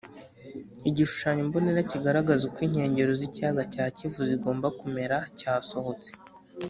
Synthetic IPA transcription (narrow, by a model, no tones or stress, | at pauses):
iɟiʃu̥ʃaːɲomboneɾaciɡaɾaɡazukwiːɲ̥he̞ːɲɟe̞ɾoziciaɡacaːcivuziɡo̞ːmbakume̞ɾacaːso̞ho̞t͡se̥